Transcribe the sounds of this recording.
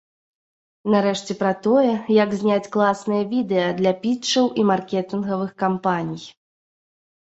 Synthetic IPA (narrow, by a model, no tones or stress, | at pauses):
naɾɛʂt͡sʲɛpɾɐt̪ɔjɛjaɡzʲnʲat͡sʲklˠasnɨjɐvʲid̪ɛjɐd̪lʲɐpʲit͡ʂɐwʔimarkʲɛt̪ɨnɣɐvɨxkampanʲij